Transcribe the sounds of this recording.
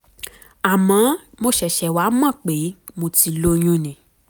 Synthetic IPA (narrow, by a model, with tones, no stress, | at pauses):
a˨mã˨˦ | mo˧ʃɛ˨ʃɛ˨wa˨˦mã˦˨k͡pe˨˦mo˧ti˨˧lo˧j̃ũ˦nĩ˨